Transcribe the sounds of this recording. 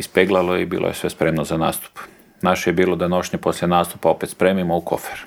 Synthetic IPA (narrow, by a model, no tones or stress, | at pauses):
ispeɡlˠalojeibḭlˠʔo̰jesʋe̞spɾe̞mnozana̰ːst̪u̥p | naʃejebiːlˠo̞d̪ano̞ʃɲepo̞sljenaːst̪u̥pao̞pet̪spɾeːmimoukʰo̞̰feɾ